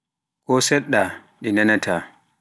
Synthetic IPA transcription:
kɔsɛɗːa | ɗɛnɛnatʰaː

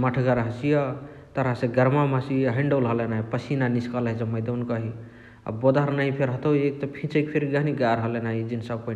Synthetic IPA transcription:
məʈʰɡaɾɦəsija | t̪əɾaseɡəɾmamasijɦĩɳɖolɦəlenaɦipəsinaniskəlɦid͡ʒəməjd̪ənkəɦi | a̰bod̪ʱəɾnaɦipʰeɾɦət̪əwek̚t̪ɔpʰĩt͡ʃəkpʰeɾɡaɦniɡaɾɦəlenaɦid͡ʒinsəb̚pə

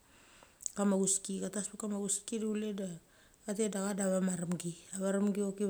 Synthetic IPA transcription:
kamaɡuskikataspakamaɡuskidule̞daː | te̞daɣadaβamaɾamɡiaβaɾamɡio̞ki

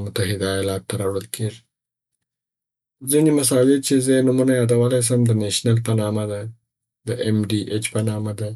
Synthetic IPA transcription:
mʊt̪aɦɪd̪aalɑk̚t̪aɾɑwɽəlkʰeʐi | zinimas̬ɑd͡ʒɪd̪̚t͡ʃezənumunajɑd̪awəlajs̬amd̪əneʃnalpənɑmad̪a | d̪əʔemɖiʔet͡ʃpənɑmad̪a

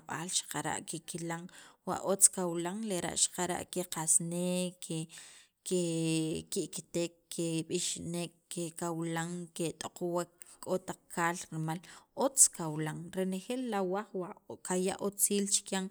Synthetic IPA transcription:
ɓa̰ːlʃḁqaɾa̰ʔkekilaŋwa̰ʔot͡skawlaŋleɾa̰ʔʃḁqaɾa̰ʔkeqasneːkʰe | kekiʔkt̪eːkːeɓiʃnekːekawlaŋket̪ʼoqowakkʼot̪aq͡χkʰaːlɾimalʔot͡skawlaŋɾenexelːawaχwakaja̰ʔot͡siːlt͡ʃi̥kjaŋ

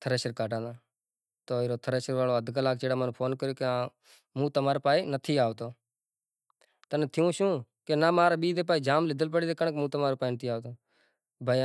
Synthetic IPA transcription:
t̪ʰəɾeːʃəɾkaːʈãːd̪ãː | t̪oːɪːɾoːt̪ʰəɾeːʃəɾʋaːloːəd̪ʱkəlaːk̚t͡ʃeːɽaːmaːnũːpʰoːnkəɾjoːkeãː | mũːt̪əmaːɾoːpaːiːnət̪ʰiːaːʋt̪oː | t̪ənt̪ʰɪjũːʃũː | keːnaːmaːɾaːɓiːd̪eːp̬aːiːd͡ʒaːmlɪd̪əlpəɽid̪eːkəɳkmũːt̪əmaːɾoːpaːiːnət̪ʰiːaːʋt̪oː | bʱaː

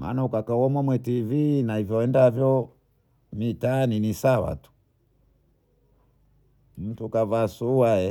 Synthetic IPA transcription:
ma̰ːnaukakawɔmamwɛtivinahivjɔɛndavjɔ | mitaninisawa̰tu̥ | m̩tukavasuwaɛ

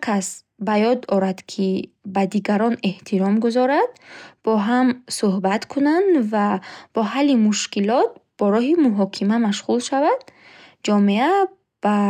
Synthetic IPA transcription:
kʰas | bajɔd̪ɔɾad̪kʰi | bad̪iɡaɾɔne̞ht̪ʰiɾɔmɡuzɔɾad̪̥b̥ɔɦamsuɦbat̪kʰunand̪vab̥ɔɦalːimuʃkilɔt̪̚b̥ɔɾɔɦimuɦɔkʰimamaʃʁulʃavad̪̥̚ | d͡ʒɔmea | b̥a

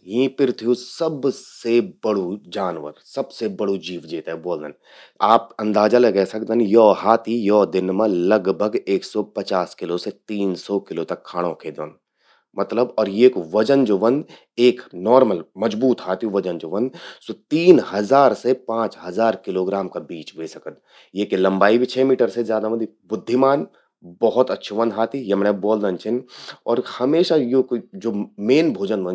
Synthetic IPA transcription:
ɦĩːpɪɾt̪ʰijũsɐbsebɐɽud͡ʒaːnʋə̰ɾsɐbsebɐɽud͡ʒiːʋd͡ʒeːt̪aɦɛboːld̪ən | aːpɐ̃nd̪aːd͡ʒaleɡɛːsɐkd̪ənjɔːɦaːt̪ijɔːd̪ɪnmẽlɐɡbʱəɡeːksɔːpɐt͡ʃaːskɪloset̪iːnsɔːkɪloːt̪ɐkʰːaːɽ̃õkʰeːd̪ʋə̃nd̪ | mɐt̪ləbɔːɾjeːkʋɐd͡ʒənd͡ʒoːʋɐ̃nd̪ | eːknɔːɾməlmɐd͡ʒbuːt̪ɦaːt̪jũʋɐd͡ʒənd͡ʒoːʋɐ̃nd̪sot̪iːnɦɐzaːɾsepãːt͡ʃɦɐzaːɾkɪloːɡɾaːmkabiːt͡ʃʋeːsɐkət̪ | jekelɐ̃mbaːibʱit͡ʃʰeːmiːʈəɾsezjaːd̪aʋɐ̃nd̪i | bʊd̪ʱːɪmaːn | bɐɦʊt̪ɐtːʃʰeʋɐ̃nd̪ɦaːt̪ijemnɛbɔːld̪ənt͡ʃʰɪnɔːɾhɐmeːʃajokd͡ʒoːmeːnbʱoːd͡ʒənʋɐ̃n

